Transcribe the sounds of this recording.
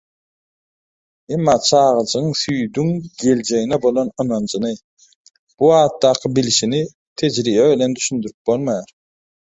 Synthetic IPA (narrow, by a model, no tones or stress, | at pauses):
emːɑːt͡ʃʰɑːʁɯd͡ʒɯɯŋθyjd̪yŋɡ̥e̞ld͡ʒe̞ɣinɛbo̞lˠonɯnɑnd͡ʒɯnɯ | b̥uɑːt̪ːɑːqʰɯbiliʃini | t̪ʰe̞d͡ʒɾiːβæbilend̪yʃynd̪yɾyp̚bo̞lˠmɑjɑɾ